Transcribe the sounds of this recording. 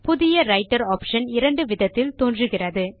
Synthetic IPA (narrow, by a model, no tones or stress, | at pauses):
pʊðɪjɐɾɐɪʈːɐɾaːpʂɐnɪɾɐɳɖɯʋɪðɐt̪ːɪlt̪oːndrɯɣɪrɐðɯ